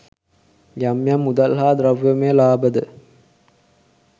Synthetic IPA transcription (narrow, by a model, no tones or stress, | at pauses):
jamːjamːud̪alɦaːd̪ɾaʋjəmelaːbəd̪ə